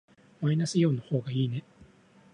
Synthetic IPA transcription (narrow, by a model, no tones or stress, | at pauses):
mainasɨjo̞ːnaho̞ːɡaiːne̞